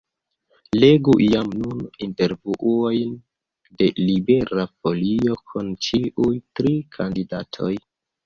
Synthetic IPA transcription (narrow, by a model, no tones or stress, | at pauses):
le̞ɡuʔiamnuninte̞ɾvuʔuo̞jn | de̞libe̞ɾafolio̞kʰunt͡ʃiʔujtɾikʰandidatʰo̞̰j